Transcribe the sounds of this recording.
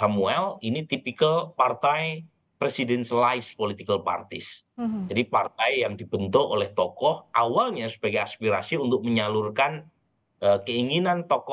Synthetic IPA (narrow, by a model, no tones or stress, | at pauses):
samuɛlinit̪ipikəlpart̪aj | pɾesidɛnslaɪspolit̪ikəlpa̰rt̪ɪs | d͡ʒadipart̪ajjaŋdibənt̪oʔo̰lɛht̪ɔkɔhʔawalɲasəb̥aɡajaspiɾa̰siunt̪ʊk̚məɲalurkan | əkəiŋinant̪ɔkɔ